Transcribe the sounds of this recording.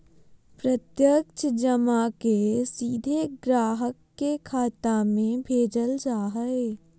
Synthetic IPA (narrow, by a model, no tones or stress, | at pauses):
pɾət̪jəkt͡ʃʰd͡ʒəmakesiːd̪ʱeɡɾaːɦəkːekʰaːt̪amẽbʱeːd͡ʒəld͡ʒaːɦəe